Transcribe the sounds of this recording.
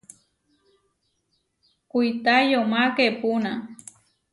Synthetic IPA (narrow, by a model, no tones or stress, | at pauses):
kujt̪ajomakepuna